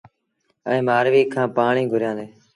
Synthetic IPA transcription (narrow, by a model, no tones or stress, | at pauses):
ə̰ẽːmaːɾʋiːkʰːãːpaːɳĩːɡʱʊɾjãːnd̪eː